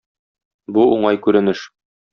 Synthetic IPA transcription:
buuɴɑjkʉɾɘ̆nɘʃ

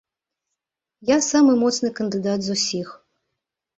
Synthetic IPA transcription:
jasamɨmɔt̪snɨkɐnd̪ɨd̪ad̪zusʲix

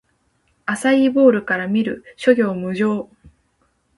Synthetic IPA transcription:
asaibo̞ːɾɯ̟kaɾamʲiɾɯ̟ɕo̞ɡʲo̞ːmɯ̟ʑo̞ː

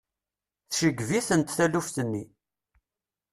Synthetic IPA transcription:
θʃəɡviθənt̪θælufθənːi

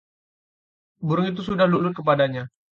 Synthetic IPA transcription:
buɾʊŋit̪̬usudahluʔlʊt̪̚kəpadaɲa

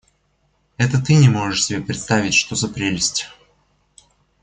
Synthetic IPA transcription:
ɛt̪ət̪ɨnʲɪmo̞ʐɨʂsʲɪbʲepɾʲɪt̪st̪avʲɪtʲʂt̪ozɐpɾʲelʲɪsʲtʲ

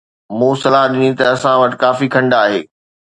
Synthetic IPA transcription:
mũːsɐlaɦɗɪnĩt̪ɐːsãʋɐʈ̆kaːfikʰɐ̃ɳɖaːɦḛː

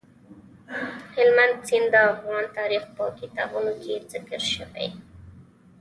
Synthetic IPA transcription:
hɪlmand̪̚sind̪əafɣɑnt̪ɑɾixpəkit̪ɑ̰bunokʰezɪkəɾʃəwa̰j

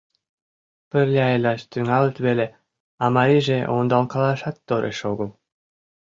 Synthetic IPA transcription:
pə̆rlʲeɑjlʲɑʃt̪yŋɑlə̆t̪βele | ɑmɑɾiʒeʔond̪ɑlkɑlˠɑʃɑt̪ːoɾʔḛʃoɡɤ̆lˠ

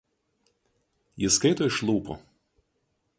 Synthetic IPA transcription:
jɪskɐɪt̪oːɪʃlˠuːpɔ̰

